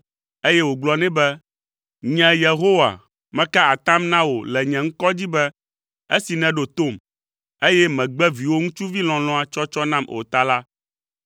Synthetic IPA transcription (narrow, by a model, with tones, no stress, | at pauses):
e˦jɛ˦wo˨ɡ͡blɔ˨nɛ̃˦bɛ˦ | ɲɛ̃˨je˨ɦo˦wa̰˨ | mɛ̃˦ka˦a˨t̪ã˦mnã˦wo˨lɛ˨ɲɛ̃˨ŋ̩˦kɔ˦d͡ʑi˦bɛ˦ | e˦si˨nɛ̃˨ɖo˨t̪o˦˨m | e˦jɛ˦mɛ̃˨ɡ͡bɛ˦vi˨wo˦ŋũ˦t͡ʃu˦vi˦lɔ̃˨lɔ̃˦a˨t͡ʃɔ˦t͡ʃɔ˦nã˦mo̰˨t̪a˦la˦